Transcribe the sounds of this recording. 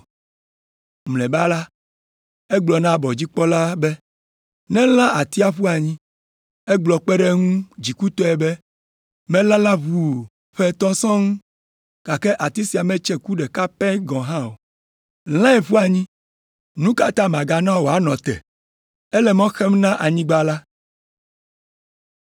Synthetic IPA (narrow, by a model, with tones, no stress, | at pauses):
mlɛ̃˨ba˦la˦ | e˦ɡ͡blɔ˨nã˦bɔ˨d͡ʑi˦k͡pɔ˦la˦bɛ˦ | nɛ̃˦lã˦ʔa˨t̪i˦a˦ɸu˦a˨ɲĩ˦ | ɛ˦ɡ͡blɔ˨k͡pɛ˦ɖe˦ŋũ˦d͡ʑi˨ku˦t̪ɔ˦ɛ˨bɛ˦ | mɛ̃˦lã˦lã˦βu˨ | ɸɛ˦t̪ɔ̃˦sɔ̃˦ŋũ˦ | ka˨kɛ˦ʔa˨t̪i˦si˨a˨mɛ̃˦t͡ʃɛ˦ku˦ɖɛ˨ka˦pɛ˦ɡɔ̃˨ɦã˦o˨ | l̃ã˦ɛ˨ɸu˦a˨ɲĩ˦ | nũ˦ka˦t̪ã˦mã˨ɡa˨nã˦˨wo˨a˦nɔ̃˨t̪ɛ̰˨ | e˦lɛ˨mɔ̃˦xɛ˦mnã˦ʔa˨ɲĩ˦ɡ͡ba˦la˦